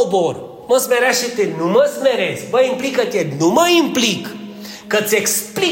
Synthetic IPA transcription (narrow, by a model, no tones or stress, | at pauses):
obor | məsmeɾaʃit̪enuməsmeɾesʲməimplikət̪ʲenuməimplikː | ət̪sʲekspli